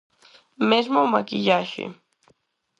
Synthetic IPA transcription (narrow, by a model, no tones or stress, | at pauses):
mesmomakɪʎaʃɪ̰